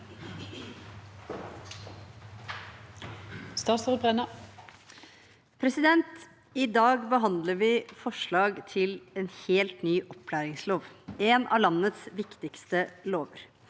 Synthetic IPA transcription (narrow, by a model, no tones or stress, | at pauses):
st̪ɑːt̪sod̪̚bʁɛnɑ | pʰɾɛsɪd̪ɛnt̪ | ɪd̪ɑːɡbəɦɑnd̪ləɾʋɪːfɔʂɭɑːɡt̪ʰɪleːnheːlt̪nyːʔɔpʰlæːɾɪŋsloːʋeːnʔɑ̰ːlɑnːət̪sʋɪkt̪ɪkst̪əloːʋəɾ